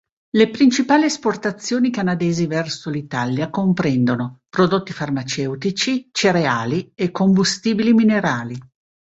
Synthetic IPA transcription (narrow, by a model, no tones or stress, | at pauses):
lepɾint͡ʃipaːliesport̪at̪sːjoːnikanad̪eːzivɛrsolit̪aljakompɾɛnd̪onopɾod̪ot̪ːifarmat͡ʃɛwt̪it͡ʃit͡ʃeɾeaːliekːombust̪iːbilimineɾaːli